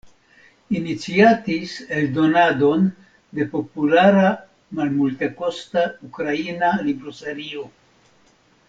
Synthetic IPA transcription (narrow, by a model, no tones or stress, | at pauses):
init͡siatiseld̪o̞nad̪o̞n | d̪e̞po̞pulaɾa | malmulteko̞staukɾainalibɾoseɾio̞